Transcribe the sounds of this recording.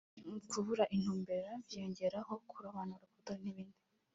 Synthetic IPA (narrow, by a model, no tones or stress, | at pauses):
kʰuβuɾaʔin̥huːmbe̞ɾavjoːɲɟe̞ɾaho̞kʰuɾaβanuɾukutaniβiːndi